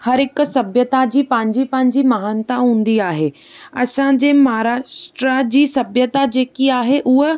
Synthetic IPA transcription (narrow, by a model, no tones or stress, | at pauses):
hɐɾɪk̆sɐbʱjət̪ad͡ʑipɐ̃ɦɪ̃ɲd͡ʑipɐ̃ɦɪ̃ɲd͡ʑimɐɦaːnt̪aɦũːn̆d̪iaːɦeː | ɐsãd͡ʑeːmɐɦaɾaːʃʈɾad͡ʑiːsɐbʱjət̪ad͡ʑeːkiaːɦeʔʊɦe